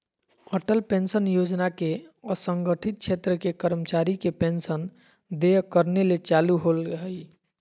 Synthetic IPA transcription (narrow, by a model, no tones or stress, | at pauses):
əʈəlpensənjod͡ʒnakeəsəŋɡəʈʰit̪̚t͡ʃʰet̪ɾəkekəɾmət͡ʃaɾikepensən | d̪ekəɾnelet͡ʃaluɦolɦəj